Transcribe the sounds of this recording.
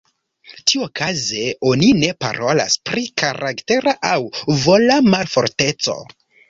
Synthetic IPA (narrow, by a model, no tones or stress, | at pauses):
tiuokaze̞o̞nine̞pa̰ɾʔo̞la̰spɾikaɾʔakte̞ɾaʔawvo̞lamalfo̞ɾte̞t͡so̞̰